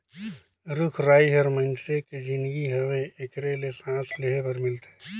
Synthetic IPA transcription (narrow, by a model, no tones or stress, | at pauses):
ɾʊkʰɾaːiɦɐɾmə̃nseked͡ʒɪnɡiɦɐʋeekɾelesãːsleɦepɐɾmɪlt̪e